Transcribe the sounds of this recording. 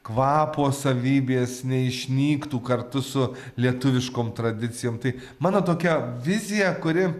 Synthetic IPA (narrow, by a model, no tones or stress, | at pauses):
kʋɑːpoːsɐʋʲiːbʲeːsnʲɛɪʃʲnʲiːkt̪uːkɐɾt̪ʊsʊ | lʲiɛt̪ʊʋʲɪʃkoːmt̪ɾɐd̪ʲɪt̪t͡s̪ʲɪjoːmt̪ɐɪ | mɑːnoːt̪oːkʲɛʋʲɪzʲɪjɛkʊɾʲɪ